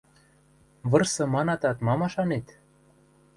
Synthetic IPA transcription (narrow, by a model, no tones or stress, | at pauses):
βɤ̆rsɤ̆mɑnɑt̪ɑt̪mɑmɑʃɑnet̪